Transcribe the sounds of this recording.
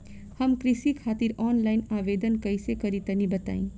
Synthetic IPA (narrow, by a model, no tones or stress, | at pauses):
həmkɾisikʰaːt̪iɾɔːnlainaʋed̪ənkəjsekəɾit̪ənĩbət̪a̰ːĩ